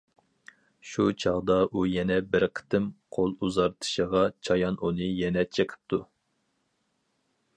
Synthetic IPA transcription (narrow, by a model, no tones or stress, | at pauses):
ʃut͡ʃʰɑʁd̪ɑʔujɛnɛbɪɾqʰə̥t̪ʰɨmqʰolˠuzɑɾt̪ʰɨ̥ʃəʁɑt͡ʃʰɑjɑnunɨjɛnɛt͡ʃʰekʰə̥p̚t̪ʰu